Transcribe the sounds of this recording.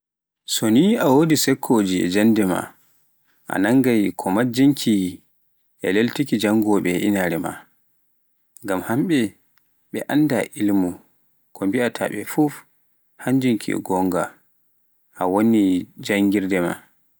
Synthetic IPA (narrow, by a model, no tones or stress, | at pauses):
sɔniawodisɛkʰːoːd͡ʒiɛ̰d͡ʒandɛma̰ | ʔa̰naŋɡajkʰɔmad͡ʒiŋkʰi | ʔɛleltikid͡ʒaŋɡɔɓɛʔḭnaɾɛma̰ | ŋɡamhamɓɛ | ɓɛ̰ʔanda̰ʔilmu | kʰɔmbiatʰa̰ɓɛfuf | haɲd͡ʒiŋkʰḭɛ̰ɡɔŋɡa | ʔawonid͡ʒaŋɡiɾdɛma̰